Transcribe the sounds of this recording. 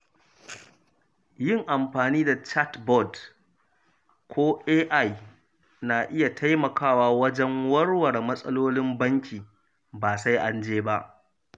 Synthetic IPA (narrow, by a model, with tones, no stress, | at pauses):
jɪ˦˨ŋʔa˨mɸaː˨niː˦da˨t͡ʃa˦tbɔ˦˨d | kʷʰoː˦ʔeː˦ʔa˦˨j | naː˨ʔɪ˦ja˨tʰa˦jmɐ˨kaː˦˨waː˦wɐ˦d͡ʒɛ˦ŋwɐ˦rwɐ˨rmɐ˦sʼɐ˦loː˦lɪ˦mbɐ˦ŋkʲʰiː˨ | baː˨sa˦jʔa˦nd͡ʒeː˦ba˦ʔ